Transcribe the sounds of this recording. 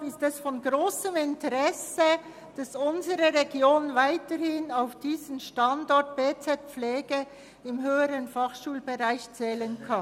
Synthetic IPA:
ɪstɛsfɔnɡʁoːsəmɪntəʁɛsə | d̥ɑsʊnzəʁəʁeɡjoːnvaɪtəɾhɪnaʊfd̥iːzənʃtɑndɔɹt̚b̥eːt͡sɛt̚p͡flɛːɡə | ɪmɦøːəɾənfɑχʃuːlbeʁaɪçt͡sɛːlənkʰɑ

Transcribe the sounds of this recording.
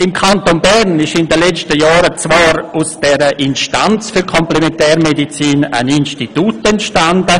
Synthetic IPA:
ɪmkʰantonbɛɾnɪʃɪndəlɛt͡stəjɑːɾət͡svɑːɾusd̥ɛɾəʔɪnʃtant͡sfyɾkʰɔmplɛmɛntɛːɾmedit͡siːna̰ninʃtitutɛntʃtandə

